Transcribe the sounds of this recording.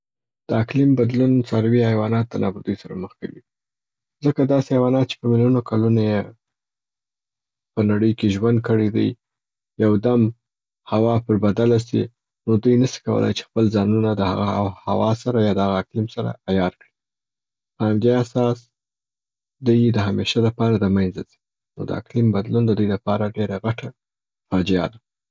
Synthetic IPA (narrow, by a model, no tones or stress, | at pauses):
d̪̥əaklɪmbad̪lunt͡sɑɾawihajwɑnɑt̪̚d̪ənʔɑbəɾd̪ujsaɾaməxkawḭ | zəkad̪ɑseajwɑnɑt̪̚t͡ʃe̥pəmɪljunokʰalunaje | pənaɽəjkeʒwand̪̚kəɽed̪ə̰j | jawd̪am | hawɑpəɾbad̪alasḭ | nod̪ujnəsi̥kawə̰la̰jt͡ʃe̥xpəlzɑnunad̪əha̰ɣaha̰wɑsaɾajɑd̪əaɣaːklimsaɾa̰ajɑɾkɽi | pəhamd̪easɑs | d̪ujd̪əɦameʃaləpɑɾad̪əmajnzazi̥ | no̰d̪ə̰a̰klimbad̪lund̪əd̪ujlapɑɾaɖeɾaɣaʈa | fɑd͡ʒija̰d̪a